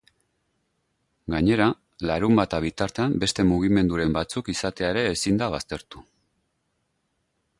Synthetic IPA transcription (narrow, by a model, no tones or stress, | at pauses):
ɡaɲe̞ɾa | laɾumbat̪aβ̞it̪aɾt̪eambe̞st̪e̞muɣ̞ime̞nd̪uɾe̞mbat͡sukisat̪e̞aeɾe̞ːsind̪aβ̞ast̪e̞ɾt̪u